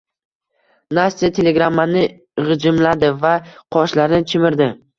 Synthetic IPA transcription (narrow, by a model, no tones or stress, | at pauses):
nast̪iat̪ʰele̞ɡɾamːanɪ | ʁɨd͡ʒɪmlad̪ɪvaqʰɒʃlaɾɪnɪt͡ʃʰɪmɪɾd̪ɪ